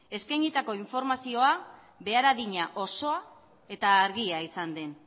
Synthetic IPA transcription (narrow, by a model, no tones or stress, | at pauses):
e̞skajɲit̪ako̞iɱfo̞ɾmasio̞a | βe̞aɾaðiɲaʔo̞so̞a | e̞t̪aːɾɣiaisand̪e̞n